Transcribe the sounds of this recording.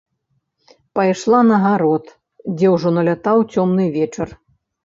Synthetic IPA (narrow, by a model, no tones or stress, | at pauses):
pajʂlˠanɐɣaɾɔt̪ | d͡zʲɛwʐɔnɐlʲat̪awt͡sʲɔmnɨvʲɛt͡ʂɐr